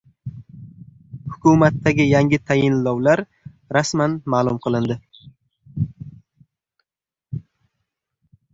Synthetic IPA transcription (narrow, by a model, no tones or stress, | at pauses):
hʊkʰʊmat̪ːaɡʲɪjaŋʲɪt̪ʰajɪnlɒwlaɾ | ɾasmanmaːlˠʊmqʰɨlˠɪnd̪ɪ